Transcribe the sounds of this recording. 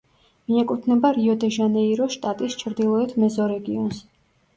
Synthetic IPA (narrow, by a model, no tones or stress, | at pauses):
miɛkʼut̪ʰnɛbaɾiɔd̪ɛʒanɛiɾɔʃt̪ʼat̪ʼist͡ʃʰɾd̪ilˠɔɛt̪ʰmɛzɔɾɛɡiɔns